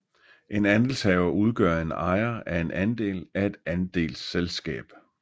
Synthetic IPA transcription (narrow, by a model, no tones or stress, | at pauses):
ʔe̝nænd̥el̩shɛːʊɐuð̞ˠɡ̥ɶ̰ɐ̰e̝nɑ̈ɪɐæɐe̝nʔænd̥e̝̰ːlæe̝d̥ænd̥e̝̰ːlselsɡ̥ɛ̰ːb̥